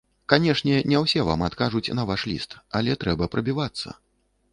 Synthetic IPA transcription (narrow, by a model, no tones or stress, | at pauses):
kanʲɛʂnʲɛnʲɛwsʲɛva̰mat̪kaʐut͡sʲnɐvaʂlʲḭst̪ɐlʲɛt̪ɾɛbɐpɾɐbʲivat̪sːɐ̰